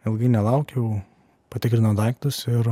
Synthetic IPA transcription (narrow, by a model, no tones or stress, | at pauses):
ɪlˠɡɐɪnʲɛlˠɐˑʊkʲɛʊ | pɐt̪ʲɪkɾʲɪnod̪ɐɪk̚t̪ʊsɪɾ